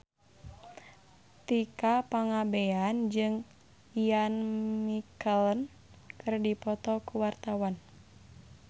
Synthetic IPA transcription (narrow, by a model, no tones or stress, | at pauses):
t̪ikapaŋabeand͡ʒɨŋ | ianmikəln | kɨrdipɔt̪ɔkuwart̪awan